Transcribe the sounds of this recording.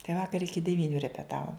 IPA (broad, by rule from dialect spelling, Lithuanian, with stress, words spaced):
tɐɪ ˈʋɑːkɐr ˈɪkʲɪ dʲɛˈʋʲiːnʲʊ rʲɛpʲɛˈtɑːʋoːm